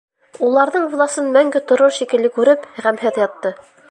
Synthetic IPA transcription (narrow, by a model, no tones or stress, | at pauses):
ulˠɑɾðɤɴvlˠɑsɤnmæŋɡɘt̪ŏɾoɾʃikɘ̆lːɘkʉɾɘpʁæmɦɘðjɑt̪ːɤ